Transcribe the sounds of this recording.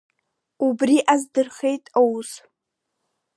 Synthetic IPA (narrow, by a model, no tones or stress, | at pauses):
ubriʔazdɨrχejtʼowz